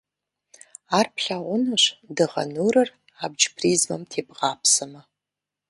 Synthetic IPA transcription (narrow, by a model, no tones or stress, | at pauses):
aːrpʰɬaːwʷʊnɨʂdɨʁɐ̰nuːɾɐr | aːb̚d͡ʒpʰriːzmɐ̰mtʰeːbʁɑːpʰsɐmɐ